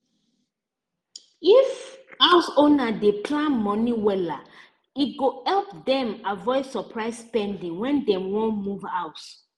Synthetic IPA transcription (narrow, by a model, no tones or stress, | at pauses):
ifawsonadepʰlãnmɔ̃niwɛla | it̚ɡohɛlp̚dɛ̃mavɔɪdsɔpʰɹaɪsspɛ̃ndĩŋwɛ̃ndɛ̃wɔ̃muvaws